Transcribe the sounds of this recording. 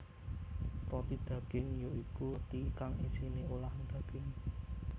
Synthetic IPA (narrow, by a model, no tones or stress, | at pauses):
ɾɔt̪id̪̥ä̤ɡ̥ɪŋjoikut̪ikaŋisineolahnd̪̥a̤ɡ̥ɪŋ